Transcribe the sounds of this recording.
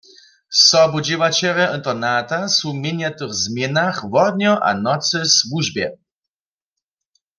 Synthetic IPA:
sɔbud͡ʑiwat͡ɕɛʁɛʔənt̪ɔnat̪asumjeɲat̪ɨɣzmjɛnaχvɔd̪ɲɔʔa̰nɔt̪sɨswuʒbjɛ̰

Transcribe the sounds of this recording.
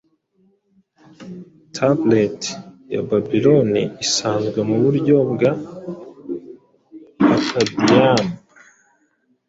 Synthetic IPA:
tʰabletja̰babilo̞nḭisaːnzɡwemuβuɾɟo̞bɡa | kʰabijanu

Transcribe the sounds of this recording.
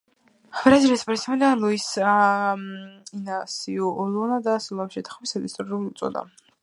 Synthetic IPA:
bɾazilispʼɔɾsɛmd̪anluis | inasiuʔɔlɔnad̪asɔlˠamʃɛt̪ʰḁχmisad̪ist̪ʼɔɾɛulut̪sʼɔ̰d̪a̰

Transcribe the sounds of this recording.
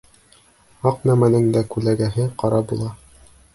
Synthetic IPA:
ɑqnæmænɘŋd̪ækʉlæɡæɦɘqɑɾɑbulˠɑ

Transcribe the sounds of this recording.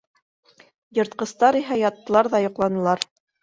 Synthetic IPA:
jɤ̆ɾt̪̚qɤ̆st̪ɑɾiɦæjɑt̪ːɤ̆lˠɑɾðɑjŏqlˠɑnɤ̆lˠɑɾ

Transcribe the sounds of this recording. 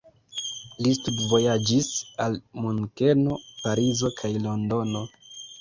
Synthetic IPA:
listudvo̞jad͡ʒisalmunkeno̞paɾizo̞kʰajlo̞ndo̞no̞

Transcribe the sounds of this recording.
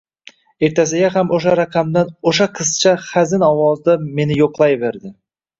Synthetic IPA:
e̞ɾt̪ʰas̬ɪɡʲaɦamoʃaɾaqʰamd̪anoʃaqʰɨzt͡ʃʰaχazɪnɒwɒzd̪ame̞nɪjoqlˠajbe̞ɾd̪ɪ

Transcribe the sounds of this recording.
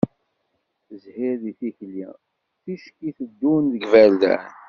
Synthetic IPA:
zhiɾðiθiçlḭ | θiʃkiθəd̪ːunðəɡvæld̪æ̰

